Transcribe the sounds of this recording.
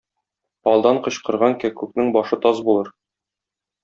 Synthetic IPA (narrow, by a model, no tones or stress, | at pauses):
ɒlˠd̪ɑɴqɤ̆ɕqɤ̆ɾʁɑŋkækʉknɘŋbɒʃɤt̪ɒzbulˠɤɾ